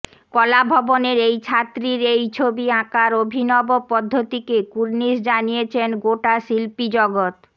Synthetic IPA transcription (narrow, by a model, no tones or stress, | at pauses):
kɔlabʱɔboneɾejt͡ɕʰat̪ːɾiɾejt͡ɕʰobiãkaɾobʱinɔbopɔd̪ʱːot̪ikekuɾnisd͡ʑanijet͡ɕʰenɡoʈaʃilpid͡ʑɔɡot̪